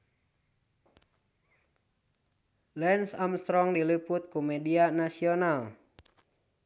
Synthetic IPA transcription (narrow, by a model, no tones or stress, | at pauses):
lɛnsamst̪ɾɔŋdiliput̪̚kumɛdianasiɔnal